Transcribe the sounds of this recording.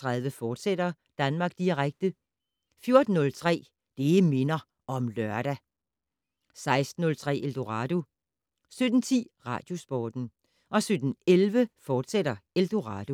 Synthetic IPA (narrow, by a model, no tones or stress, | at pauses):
t͡sʰʁɑ̈ðˠʋəfɒːd̥seɾ̥ɐ | d̥ænmɑ̈ːɡ̥̚d̥iʁaɡ̥̚d̥ə | fjo̝ɐd̥n̩ːɔ̽lt͡sʰʁɛ̰ː | d̥e̝me̝nɐ | ɒ̽mlœɐ̰ɾ̥æ | sɑ̈ɪsd̥n̩ːɔ̽lt͡sʰʁɛ̰ːʔeld̥o̝ʁɑ̈d̥o̝ | sød̥n̩t͡sʰḭːʁɑ̈ːd̥jo̝sb̥ɒːd̥n̩ | ʔɒ̽sød̥n̩elʋəfɒːd̥seɾɐeld̥o̝ʁɑ̈ːd̥o̝